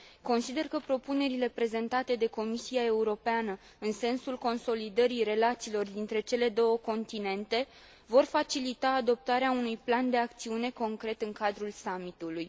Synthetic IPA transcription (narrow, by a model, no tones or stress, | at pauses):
ko̞nsid̪e̞rkəpɾo̞pune̞ɾile̞pɾe̞ze̞nt̪at̪e̞d̪e̞ko̞misiae̞uɾo̞peanə | ɨnse̞nsulko̞nso̞lid̪əɾire̞lat̪siːlo̞rd̪int̪ɾe̞t͡ʃe̞le̞d̪o̞wəko̞nt̪ine̞nt̪e̞ | vo̞rfat͡ʃilit̪aːd̪o̞p̚t̪aɾeaunujpland̪e̞ak̚t̪siune̞ko̞ŋkɾe̞t̪ɨŋkad̪ɾulsamit̪uluj